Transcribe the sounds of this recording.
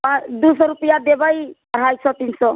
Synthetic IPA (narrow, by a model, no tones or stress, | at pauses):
ãd̪usɔɾupijad̪ebaj | ɾ̤ajsɔt̪insɔ